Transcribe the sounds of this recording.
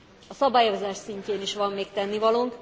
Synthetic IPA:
ɒsɒbaːjozaːʃsiɲceːniʃʋɒmːeːkt̪ɛnːivɒloŋk

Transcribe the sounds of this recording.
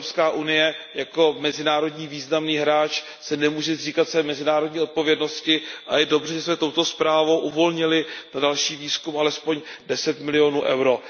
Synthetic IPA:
pskaːʔunɪjɛjako̞mɛzɪnaːɾo̞dɲiːviːznamniːɦɾaːt͡ʃ | sɛnɛmuːʒɛriːkat̪svɛːmɛzɪnaːɾodɲiːo̞t̪̚po̞vjɛdno̞scɪʔa̰jɛdo̞brɛʒɛsmɛt̪o̞wt̪o̞spɾaːvo̞wʔuvo̞lɲɪlɪnadalʃiːviːskumʔalɛspo̞ɲdɛsɛt̪mɪlɪjo̞nuːʔɛ̰wɾo̞

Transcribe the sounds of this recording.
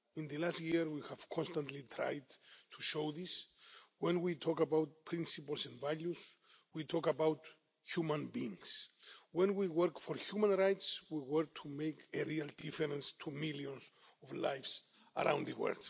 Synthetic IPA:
ĩnðɨlastjiɾwihav̥kʰɔ̃nstãntlitʰɹa̰jdtʰuʃoðiswɛ̃nwitʰɔkabawt̚pʰɹĩnsipəlˠsɛ̃nvaljus | witʰɔkabawt | hjumãnbĩːŋswɛ̃nwiwɜɹkfɔɹhjumãnɹajtswiwɜɹk̚tʰumejkeɹialdifɛɾɛ̃nstʰumiljɔ̃ns | ɔvla̰jfs | ə̰ɾʔã̰w̃ndðəwɜ̰ld̥

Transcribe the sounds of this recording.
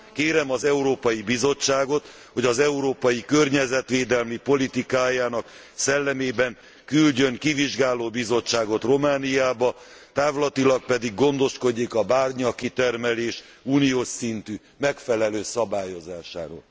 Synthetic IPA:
keːɾɛmɒzɛuɾoːpɒjibizo̞t͡ʃːaːɡo̞t̪ | ho̞ɟɒzɛuɾoːpɒjikørɲɛzɛt̪ʋeːd̪ɛlmipo̞lit̪ikaːjaːnɒk | sɛlːɛmeːbɛŋ | kylɟø̞ŋkiviʒɡaːloːbizo̞t͡ʃːaːɡo̞t̪ro̞maːnijaːbɒ | t̪aːvlɒt̪ilɒk̚pɛd̪iɡːo̞nd̪o̞ʃko̞ɟːikɒbaːrɲɒkːit̪ɛrmɛleːʃ | uːnijoːʃint̪yː | mɛkfɛlɛløːsɒbaːjo̞zaːʃa̰ːɾo̰ːl

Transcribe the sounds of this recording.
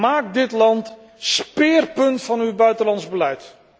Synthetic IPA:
maːk̚dɪtlɑnt | spɪːrpɵntfɑnywbœɥtəlɑnzbəlɛjt

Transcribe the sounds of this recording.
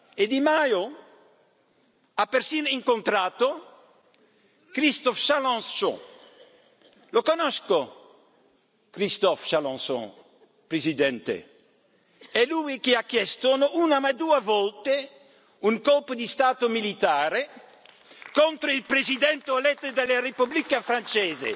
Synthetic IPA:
ed̪imajo | apeɾsiniŋkont̪ɾaːt̪o | kɾist̪ofʃalɔ̃nssõ̰ | lokonɔsko | kɾist̪ɔfʃalɔ̃ŋso̰ | pɾezid̪ɛnt̪ḛ | ɛluikeakjɛst̪onoʔunamad̪uavɔlt̪e | uŋkɔlpod̪ist̪aːt̪omilit̪aːɾe | kont̪ɾoilpɾezid̪ɛnt̪olɛt̪ːed̪elerepublikafɾant͡ʃɛːzḛ

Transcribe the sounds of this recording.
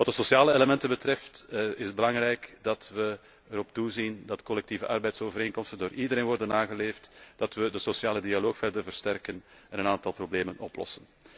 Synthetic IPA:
ʋɑtdəsosjaːləeləmɛntəbətrɛftɪzbəlɑŋɾɛjkdɑtʋə | əɾɔptuzindɑtkɔlɛk̚tiːvəʔɑrbɛjtsoːvəɾeːnkɔmstəndoːɾʔidəɾeːnʋɔrdənːaːɣəleːftd̥ɑtʋədəsosjaːlədialoːxfɛrdərvərstɛrkənɛnənaːntɑlˠprobleːmənʔɔplɔ̰sən

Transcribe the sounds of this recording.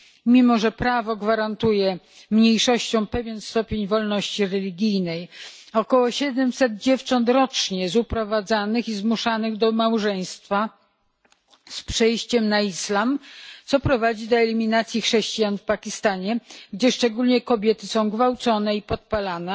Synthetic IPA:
mʲimɔʐɛpɾavɔɡvaɾant̪ujɛ | mɲejʂɔɕt͡ɕɔ̃w̃pɛvʲjɛnst̪ɔpʲjeɲvɔlnɔɕt͡ɕiɾɛlʲiɡʲijnɛjɔkɔwɔɕɛd̪ɛmsɛd̪̚d͡ʑɛft͡ʂɔnt̪ɾɔt͡ʂɲɛzupɾɔvad̪zanɘxizmuʂanɘɣd̪ɔmawʐɛj̃st̪fa | spʂɛjɕt͡ɕɛmnaislamt̪sɔpɾɔvad͡ʑid̪ɔɛlʲimʲinat̪sʲjixʂɛɕt͡ɕijanfpakʲist̪aɲɛɡd͡ʑɛʂt͡ʂɛɡulʲɲɛkɔbʲjɛt̪ɘsɔ̃w̃ɡvawt̪sɔnɛipɔt̪̚palanɛ

